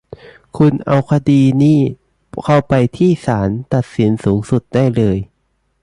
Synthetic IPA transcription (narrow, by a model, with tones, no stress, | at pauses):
kʰu˧nʔa˧wkʰa˧diː˧niː˥˩ | kʰa˥˩wpa˧jt̪ʰiː˥˩saː˩˦nt̪a˨˩t̪̚si˩˦nsuː˩˦ŋsu˨˩t̪̚da˥˩jlɤː˧j